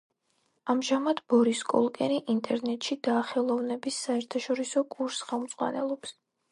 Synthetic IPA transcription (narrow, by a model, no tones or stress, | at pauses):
amʒamad̪bɔɾiskʼɔ̰lˠkʼɛniʔint̪ʼɛɾnɛt̪ʼʃid̪aːχɛlˠɔvnɛbisːaɛɾt̪ʰaʃɔɾisɔkʼuɾsχɛlˠmt̪sʼqʼwa̰nɛ̰lˠɔps